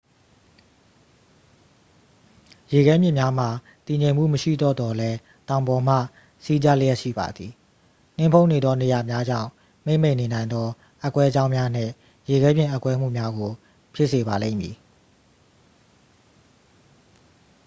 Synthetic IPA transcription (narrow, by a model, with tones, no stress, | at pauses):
je˨ɡɛ˦mjɪ̰̃˦˨mja˦m̥a˨ | t̪i˨ɲẽ˨ɪ̃m̥ṵ˦˨məʃḭ˦˨d̪ɔ˦˨d̪ɔ˨lɛ˦ | t̪ã˨ʊ̃mbɔ˨m̥ä̰˦˨ | si˦d͡ʑa˦lə˦jɛ˦ʔʃḭ˦˨ba̰˨d̪ði˨ | n̥ɪ̰̃˦˨pʰõ˦ʊ̃ne˨d̪ɔ˦ne˨ja˨mja˦d͡ʑã̰˦˨ʊ̃ | m̥e˦ɪ̃˨mẽ˦˨ne˨nã˨ɪ̃nd̪ɔ˦ | ʔa˦kwɛ˦əd͡ʑã˦ʊ̃mja˦n̥ɪ̰̃˦˨ | je˨ɡɛ˦mjɪ̃˦˨ʔa˦kwɛ˦m̥ṵ˦˨mja˦ɡo˨ | pʰjɪ˦ʔse˨βa˨lḛ̃˦˨mjḭ˨